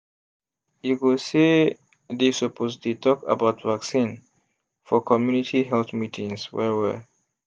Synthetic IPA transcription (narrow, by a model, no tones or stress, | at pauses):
jukuse | desupʰoztlitʰɔka̰baʊtvaksĩn | fɔkʰɔmjunitʰiɦɛlθmitʰĩŋswɛ̰wɛ̰